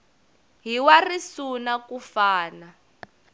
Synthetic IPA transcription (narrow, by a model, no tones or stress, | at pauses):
ɦiwarisunakufaːna